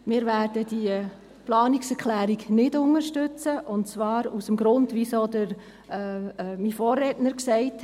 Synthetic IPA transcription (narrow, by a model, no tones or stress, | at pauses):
mɪːɾvæːɾd̥ədiə | plɑːniksɛɾklæːɾiɡnɪdʊŋəʃtʏt͡səʔʊntt͡sʋɑːɾusəmɡɾʊndʋisoːdəɾ | mifoːrːɛtnəɾksɛɪt